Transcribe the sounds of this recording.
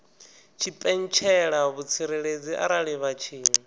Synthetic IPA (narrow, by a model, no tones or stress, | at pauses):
t͡ʃʰipʼɛn̩t͡ʃʰɛɺaβut͡sʰiɾeɺed͡ziʔa̰ɾaɺiβat͡ʃʰiː